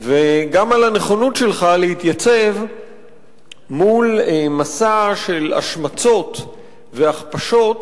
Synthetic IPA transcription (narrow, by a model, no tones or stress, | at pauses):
veɡamalane̞χo̞nutʃelχalehit̪jat͡se̞v | mulmasaʃe̞la̰ʃmat͡so̞t̪ | veaχpaʃo̞t̪